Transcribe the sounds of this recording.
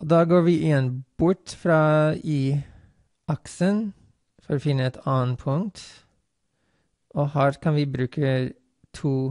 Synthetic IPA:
od̪ɑːɡoːɾʋiːʔɪjɛnb̥ʊʈfɾɑːiː | ʔɑksən | fɔɾoːfɪnːəɛt̪ʰɑːnpʰʊŋt̪ | ʔoːhæːɾkʰɑnʋiːbɾʉːkʰə | t̪ʰuː

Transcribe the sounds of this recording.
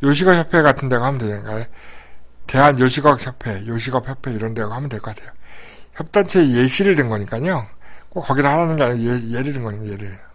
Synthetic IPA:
joɕ̬ʰiɡʌk̚çjʌpʰe̞ɡatʰɯnde̞ɡohamjʌnded͡ʑɯɡae | te̞ɦanjoɕʰiɡʌk̚çʰjʌpʰe̞joɕʰiɡʌpçjʌpʰe̞iɾʌndeɡohamʌndwek͈katʰejoçjʌp̚t͈ant͡ɕʰejeɕʰiɾɯɭdenɡʌɲik͈aɲokokːʌɡiɾɯɭhaɾanɯnɡe̞aɲiɡojeɾɯdenɡʌɲikjeɾiɾ

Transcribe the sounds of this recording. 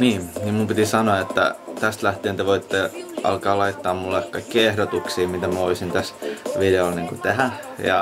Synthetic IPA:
niːmniːmumpit̪isɑnoɑet̪ːæ̰t̪æst̪læht̪eːnt̪eʋoit̪ːeʔɑ̰lkɑːlɑit̪ːɑːmmulːekːɑkːiehɾot̪uksiːmit̪æmæoisint̪æsʋideolniːŋkut̪ehæ | jɑ̰

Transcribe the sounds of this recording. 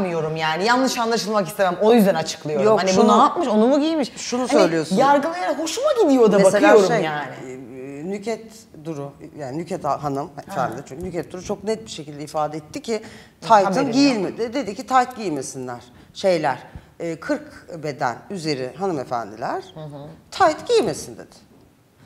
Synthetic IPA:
mijo̞ɾumjaːnijanlːˠɯʃanlˠaʃɯlˠmakist̪ʰeæmojyzd̪ænat͡ʃʰɯ̥klˠɯjojɾokhaniʃunaapmɯʃonumuɟilmiʃʃʃunusøjlʲijo̞suj̪aɾɡɯlˠajanaho̞ʃumaɟid̪ijo̞d̪amebakselʲɯao̞ɾuʃemjaːnɪnycʰɛt̪ | d̪uɾujaːninycʰɛt̪ʰaɦanɯmefænd̪ilʲit͡ʃʰyɲʲcʰynycɛt̪̚d̪uɾut͡ʃʰo̞knɛt̪̚biʃecilʲd̪ɛifaːd̪ɛɛt̪ʰːicʰɪ | t̪ʰajt̪ʰɯnɟijilʲmed̪ɪd̪e̞d̪icʰit̪ʰajt̪ɟijime̞sinlʲæɾ̥ | ʃe̞jlʲæɾ̥ː | kʰɯɾkbe̞d̪æ̰nyze̞ɾiɦanɯmefæ̰nd̪ilʲæɾ̥̩ɦt̪ʰajt̪ɟ̥ijime̞sind̪e̞̰d̪̥ɪ̥

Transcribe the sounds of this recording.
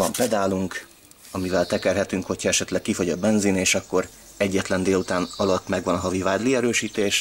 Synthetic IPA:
ɒmpɛd̪aːluŋk | ɒmivɛlt̪ɛkɛrɦɛt̪yŋkho̞chɒɛʃɛt̪lɛk̚kːifo̞ɟɒbɛnzineːʃɒkːo̞ɾ | ɛɟːɛt̪lɛnd̪eːlut̪aːnɒlɒt̪ːmɛɡʋɒnɒɦɒvivaːd̪liɛɾøːʃiːt̪eːʃ

